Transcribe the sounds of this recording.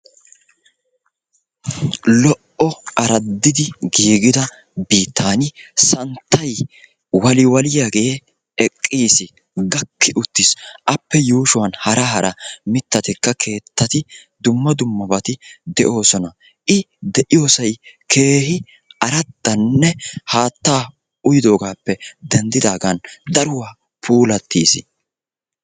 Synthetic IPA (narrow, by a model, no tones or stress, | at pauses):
lɔʔɔɐɾɐd̪ːɪd̪ɪɡiːɡɪd̪ɐ | biːt̪ʰːaːnɪsɐnt̪ːɐj | wɐlɪwɐlɪjaɡɛje | ɛkʼːiːsɪ | ɡɐkʰːɪʔʊt̪ːɪsʔɐpːɛjuːʃʊwɐnhɐɾɐɦɐɾɐ̰mɪt̪ːɐt̪ɪkːɐkʰe̞ːt̪ːɐt̪ɪd̪ʊmːɐd̪ʊmːɐbɐt̪ɪd̪ɛʔo̞ːsɔnɐ | ʔɪ | d̪ɛʔɪjo̞ːsɐjkʰe̞ːhɪ | ɐɾɐt̪ːɐnːɛhaːt̪ːaː | ʊjɪd̪o̞ːɡaːpːɛd̪ɛnd̪ɪd̪aːɡɐnd̪ɐɾʊwaː | pʰuːlɐt̪ːiːsɪ̰